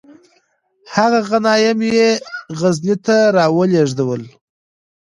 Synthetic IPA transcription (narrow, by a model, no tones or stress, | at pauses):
haɣaɣanɑjamjeɣaznit̪aɾɑwəleʐd̪awəl